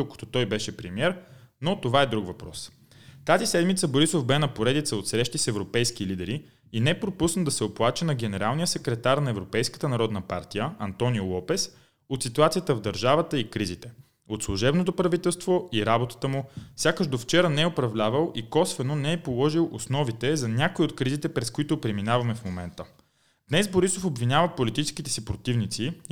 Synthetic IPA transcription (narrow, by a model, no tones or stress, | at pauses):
d̪okə̥t̪ɔ̥t̪ɔjbɛʃɛpɾɛmiɛɾnot̪ovaɛd̪ɾukvɐpɾɔ̰s | t̪azisɛd̪mit̪səboɾisofbɛnɐpoɾɛd̪it̪səot̪sɾɛʃt̪isɛvɾopɛjsk̟ilid̪ɛɾi | inɛpɾopusnəd̪ɐsɛoplˠat͡ʃənɐɡɛnɛɾalˠnijəsɛkɾɛt̪aɾnɐɛvɾopɛjskə̥t̪ənɐɾɔd̪nəpaɾt̪ijəɐnt̪ɔniolˠɔpɛs | ot̪sit̪uat̪sijət̪əvd̪ɐɾʒavət̪əikɾizit̪ɛ | ot̪slˠʊʒɛbnot̪̬opɾɐvit̪ɛlˠst̪voiɾabot̪ə̥t̪əmufsʲjakəʃd̪oft͡ʃɛɾənɛɛopɾɐvlʲavəlˠikɔsvɛnonɛɛpolˠɔʒilˠʔosnɔvit̪ɛzɐnʲakoiot̪kɾizit̪ɛpɾɛskoit̪ʊpɾɛminavɐmɛfmomɛnt̪ə | d̪̥nɛsboɾisofobvinʲavəpolit̪it͡ʃɛskʲit̪ɛsipɾot̪ivnit̪si